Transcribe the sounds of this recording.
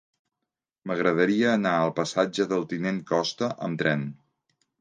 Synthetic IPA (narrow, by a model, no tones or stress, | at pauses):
məɣɾəðəɾiəːnaəlˠpəsad͡ʒəðəlˠt̪ineŋkɔst̪əʔə̰mt̪ɾɛn